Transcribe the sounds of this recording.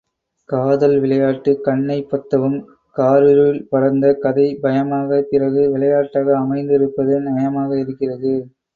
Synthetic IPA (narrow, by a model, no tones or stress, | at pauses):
kaːðɐlʋɪɭɐjaːʈːɯkɐɳːɐɪpːɐt̪ːɐʋɯm | kaːɾɯɾɪlpɐɾɐnd̪ɐkɐðɐɪbɐjɐmaːɣɐpɪrɐɣɯʋɪɭɐjaːʈːaːɣɐːmɐɪnd̪ɪɾɯpːɐðɯnɐjɐmaːɣɐɪɾɯkːɪrɐðɯ